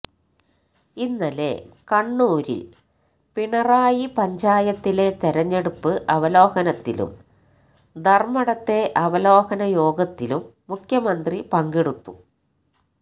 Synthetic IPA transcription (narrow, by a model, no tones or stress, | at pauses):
inːɐlḛkɐɳːuːɾḭl | piɳɐraːjipɐɲd͡ʑaːjɐt̪ːile̞t̪eɾɐɲːe̞ɽupːɨʔɐʋɐlo̞ːhɐnɐt̪ːḭlṵm | d̪ʱɐrmɐɽɐt̪ːe̞ʔɐʋɐlo̞ːhɐnɐjo̞ːɡɐt̪ːilumːukʰjɐmɐnd̪ripɐŋɡeɽut̪ːu